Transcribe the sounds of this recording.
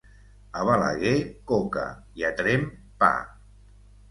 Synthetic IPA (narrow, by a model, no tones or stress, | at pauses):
aβala̰ɣekoka̰ | iat̪ɾem | pa̰